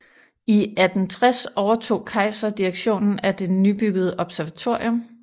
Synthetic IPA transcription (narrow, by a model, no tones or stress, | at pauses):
iæd̥n̩t͡sʰʁasɒʊɐt͡sʰo̝̰ːkʰɑ̈ɪsɐd̥iʁaɡ̥ɕo̝̰ːnn̩æd̥e̝nyb̥yɡ̥əð̞̩ˠəʔɒ̽b̥sæɐʋæt͡sʰo̝ɐ̰jɔ̽m